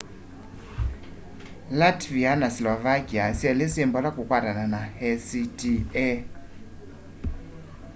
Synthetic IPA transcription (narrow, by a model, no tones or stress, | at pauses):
latvianaslɔvakiasiɛlisimbɔlakukwaɾananahɛsitiɛ